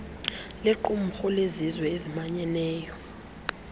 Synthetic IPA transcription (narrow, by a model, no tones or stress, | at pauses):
leǃum̩xɔlezizwɛezimaɲɛnɛːjɔ